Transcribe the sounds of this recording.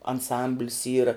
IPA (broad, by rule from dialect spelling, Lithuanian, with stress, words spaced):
ɐnˈsɐmʲbʲlʲɪs ˈiːrɐ